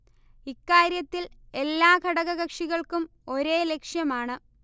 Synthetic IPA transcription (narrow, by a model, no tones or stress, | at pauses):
ikːaːɾjɐt̪ːile̞lːaːkɐɽɐɣɐɣɐkʂiɣɐɭkum | o̞ɾe̞ːle̞kʂjɐmaːɳɨ